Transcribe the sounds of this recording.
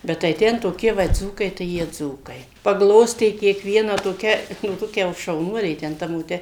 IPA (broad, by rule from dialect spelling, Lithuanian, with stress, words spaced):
bʲɛt tɐɪ ˈtʲɛn toːˈkʲiɛ ˈʋɐ ˈd͡zuːkɐɪ tɐɪ ˈjiɛ ˈd͡zuːkɐɪ pɐɡˈlˠoːsʲtʲeː kʲiɛkˈʋʲiɛnɑː toːˈkʲɛ jɛʊ ˈtoːkʲɛ jɛʊ ʃɐʊˈnuɔlʲeː tʲɛn ˈtɐ moːˈtʲɛ